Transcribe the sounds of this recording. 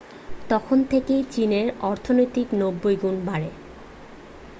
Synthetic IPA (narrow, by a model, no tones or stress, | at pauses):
t̪ɔkʰont̪ʰekejt͡ɕineɾɔɾt̪ʰonojt̪iknobːojɡunbaɾe